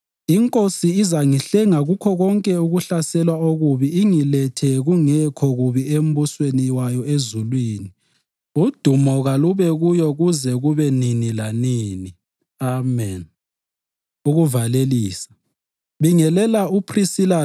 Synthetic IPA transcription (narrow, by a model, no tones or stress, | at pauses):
iŋkʼosiːzaŋiɬɛŋaɣukʰɔɣɔŋkʼɛuɣuɬasɛlwaoɣuβiiŋilɛtʰɛɣuŋɛkʰɔɣuβiem̩busweniwajɔezulwiːni | ud̥ʱumɔɣaluβɛɣujɔɣuzɛɣuβɛninilaniːni | amɛn | uɣuvaleliːsḁ | βiŋɛlɛlaupʰrisila